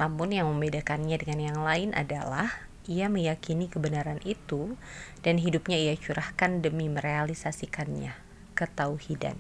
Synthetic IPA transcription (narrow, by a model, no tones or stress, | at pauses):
mampʊnjaŋməmbedakanɲadəŋanjaŋlaɪnʔa̰dalah | ijaməjakinikəbənaɾanʔit̪ud̥anɦidup̚ɲaijat͡ʃuɾahkandəmiməɾealisasikanɲa̰ | kət̪auhida̰n